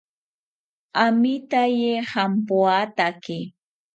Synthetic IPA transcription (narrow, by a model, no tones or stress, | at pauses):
amit̪ajehampoat̪aki